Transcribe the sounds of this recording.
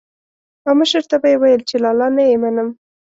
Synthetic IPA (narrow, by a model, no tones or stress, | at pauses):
aməʃəɾt̪abajewajəlt͡ʃelɑlɑnajemanəm